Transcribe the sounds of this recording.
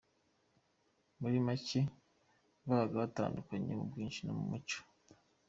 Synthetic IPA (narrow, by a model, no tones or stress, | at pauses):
muɾimace | vaɾaɡaβata̰ːndukaɲḛmṵbɡiːnʃinomumut͡ʃo̥